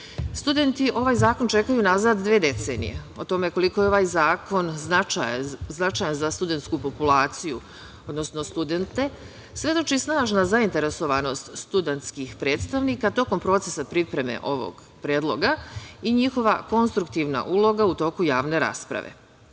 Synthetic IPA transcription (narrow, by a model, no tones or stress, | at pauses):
st̪ud̪e̞nt̪iʔo̞ʋaːjzaːko̞nt͡ʃe̞kajunazaːd̪d̪ʋeːd̪e̞t̪sḛːnḭjḛo̞t̪o̞me̞ko̞likojeo̞ʋaːjzaːko̞nznat͡ʃajznat͡ʃaːjanzast̪ud̪e̞nt̪skupo̞pulˠaːt̪siju | o̞d̪no̞sno̞st̪ud̪e̞nt̪e̞ | sʋe̞d̪o̞t͡ʃisnaːʒnazaint̪e̞ɾe̞so̞ʋano̞st̪st̪ud̪ent̪skixpɾe̞ːt̪st̪aʋniːkat̪o̞ko̞mpɾo̞t̪se̞sapɾipɾe̞mḛʔo̞ʋo̰ɡ̥ | pɾeːd̪lˠo̞̰ɡaiɲixo̞ʋako̞nst̪ɾukt̪iːʋna̰ʔulˠo̞ɡaut̪o̞ːkujaːʋne̞ɾa̰ːspɾa̰ʋḛ